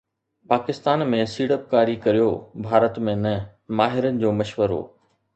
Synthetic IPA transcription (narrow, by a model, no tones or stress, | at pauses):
paːkɪst̪aːnmẽsiːɽəp̚kaːɾikɐɾijobʱaːɾət̪mẽnɐ | maːɦɪɾənɪ̆d͡ʑoːmɐʃʋəɾɦo̰ː